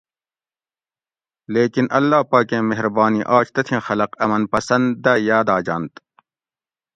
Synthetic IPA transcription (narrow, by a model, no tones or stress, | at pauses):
leːkinɐlːaːpaːkẽːmeɦɾbaːniʔaːt͡ʃt̪ɐt̪ʰĩːxɐlɐqɐmɐnpɐsɐnd̪ːajaːd̪aːd͡ʑaːnt̪